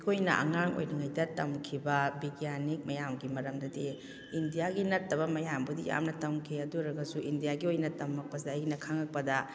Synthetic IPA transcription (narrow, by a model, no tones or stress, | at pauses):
kʰojnɐ̰ʔɐ̰ŋaŋo̰jniŋajdɐtɐmkʰibɐbiɡjanik̚mɐjamɡimɐɾɐmdɐdi | indijaɡinɐtːɐβɐmɐjambudija̰mnɐtɐmkʰiɐduɾɐɡɐsuʔindijaɡiojnɐtɐmɐk̚pɐseɐjnɐkʰaŋɐk̚pɐdɐ